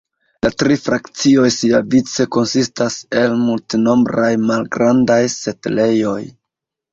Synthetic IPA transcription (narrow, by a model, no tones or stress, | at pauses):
latɾifɾʔakt͡sio̞jsiavit͡se̞ko̞nsistase̞lmultino̞mbɾajmalɡɾandajse̞tle̞jo̞j